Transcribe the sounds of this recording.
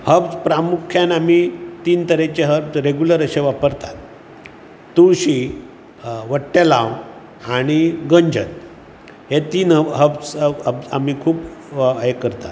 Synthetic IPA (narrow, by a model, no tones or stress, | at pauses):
həbt͡spɾamukʰjanamit̪iːnt̪əɾet͡ɕeɦəbt͡sɾeɡjuləɾəɕeʋapəɾt̪at̪̚ː | uɕi | ʋəʈːelãw | aɽ̃iɡəɲd͡ʑət̪̚ | ɦet̪iːnəɦəbt͡səba̰mikʰuːpekəɾt̪at̪